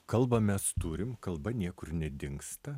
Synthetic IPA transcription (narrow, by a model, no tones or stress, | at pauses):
kɐlˠbɐmʲɛst̪uːɾʲɪmkɐlˠbɐnʲiɛkʊɾnʲɛd̪ʲɪŋkst̪ɐ